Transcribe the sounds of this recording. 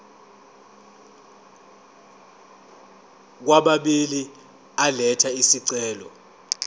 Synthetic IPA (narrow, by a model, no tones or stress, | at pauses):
k̬waɓaɓili | alɛtʰaisiǀɛːlɔ̰